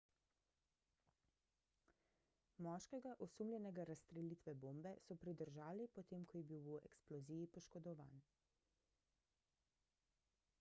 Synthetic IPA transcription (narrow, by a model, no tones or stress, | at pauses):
mɔːʃkɛɡaʔɔsumljɛnɛɡaɾast̪ɾɛliːt̪ʋɛboːmbɛsɔpɾid̪əɾʒaːlipɔt̪eːmkʰɔjɛbiwuɛ̰ksplɔziːjipɔʃkɔd̪ɔʋa̰ːn